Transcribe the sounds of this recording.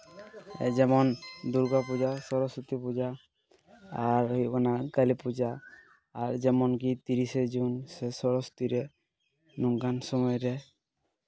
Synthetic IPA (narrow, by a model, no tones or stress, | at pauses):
ɛ̰d͡ʒɛmɔnd̪uɾɡapud͡ʒasɔɾɔsut̪ipud͡ʒaː | ɾɦianakalipud͡ʒaː | ɾd͡ʒɛmɔnkit̪iɾised͡ʒunsɛsɔɾɔst̪iɾɛ | nuŋɡansɔmɔjɾɛ